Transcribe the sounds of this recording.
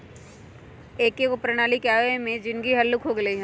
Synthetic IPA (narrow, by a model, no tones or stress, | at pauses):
eːkːekopɾɐñaːlikjaːemẽd͡ʒɪnɡiɦɐlːʊkʰɦoɡɐliɦɛ̃